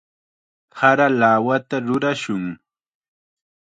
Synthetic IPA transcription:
haɾalaːwat̪aɾʊɾaʃʊŋ

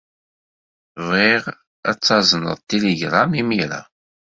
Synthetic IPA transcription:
viʁ | æt͡sːɑzˤnə̰ðˤt̪ːeleɡɾˤamimiɾa̰

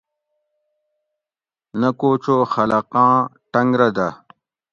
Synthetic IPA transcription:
nɐkoːt͡ɕoːxɐlɐqãːʈɐŋɡɾɐd̪ɐ

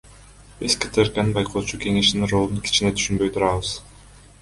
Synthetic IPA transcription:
bizket̪ʰeɾkanɨnbɑjqʰoːt͡ʃuke̞ŋe̞ʃninro̞lˠunkʰi̥t͡ʃine̞t̪ʰy̥ʃynbø̞jt̪ʰuɾɑβɯz̥

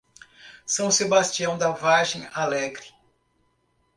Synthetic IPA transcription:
sɐ̃w̃sebast͡ʃiɐ̃w̃d̪avaʒẽj̃alɛɡɾɪ

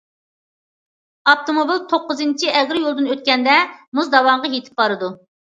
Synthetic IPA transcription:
ɑp̚t̪omobilt̪ʰoqːʊzɨnt͡ʃʰiʔɛʁɾɪjolˠd̪ɨnøt̪̚kʲɛnd̪ɛmuzd̪ɑwɑɴʁɑjet̪ʰɪ̥p̚qɑɾɨd̪u

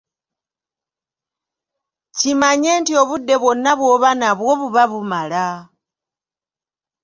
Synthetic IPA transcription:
cimaɲe̞ːntio̞βudːe̞βwo̞nːaβwo̞ːβanaβwoβuβaβumala

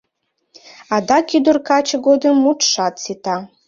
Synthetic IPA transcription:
ɑd̪ɑkyd̪ərkɑt͡ɕəɡod̪əmːut̪ʃɑt̪sit̪ɑ

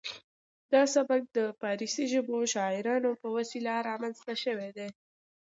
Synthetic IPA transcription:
d̪̥ɑsabak̚d̪əpɑɾisiʒəboʃɑɪɾɑnopəwasilaɾɑmanzt̪aʃəwed̪e

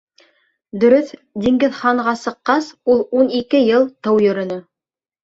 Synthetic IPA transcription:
d̪ɵ̆ɾɵθd̪iŋɡɘðχɑɴʁɑsɤ̆qːɑsulˠunikɘjɤlˠt̪ɤwjɵ̆ɾɵ̆nɵ

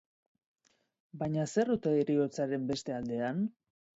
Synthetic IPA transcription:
bajɲase̞rut̪eiɾio̞t͡saɾe̞mbe̞st̪e̞ald̪e̞an

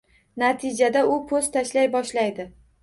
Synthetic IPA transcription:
nat̪ʰɪd͡ʒad̪aʊpʰɵz̥t̪ʰaʃlajbɒʃlajd̪ɪ

